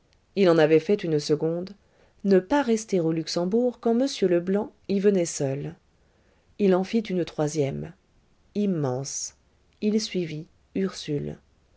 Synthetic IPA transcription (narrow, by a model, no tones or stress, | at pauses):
ilɑ̃navɛfɛt̪ynsəɡɔ̃d̪ | nəpaʁɛst̪eʁolyksɑ̃buʁkɑ̃məsjøləblɑ̃ivənɛsœl | ilɑ̃fit̪ynt̪χwazjɛm | imːɑ̃s | ilsɥivi | yʁsyl